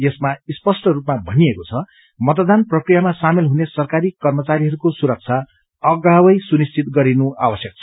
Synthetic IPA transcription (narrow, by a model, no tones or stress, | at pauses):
jesmaispʌsʈʌrupmabʱʌniekot͡sʰʌ | mʌt̪ʌd̪anprʌkrijamasamelɦunesʌrkaɾikʌrmʌt͡saɾiɦʌɾukosuɾʌk̚t͡sʰa | ʌɡawʌjsunist͡sʰit̪̚ɡʌɾinua̰wʌsjʌk̚t͡sʰʌ̥